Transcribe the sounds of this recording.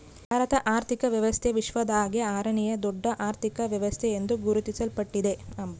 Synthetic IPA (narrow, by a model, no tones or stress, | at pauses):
bʱaːɾɐt̪ɐʔaːɾt̪ʰikɐʋjɐʋɐst̪ʰeʋiʃʋɐd̪aːɡeaːɾɐɳijɐd̪ɔɖːɐʔaːɾt̪ʰikɐʋjɐʋɐst̪ʰɛend̪uɡuɾut̪isɐlpɐʈːid̪e̞ɐm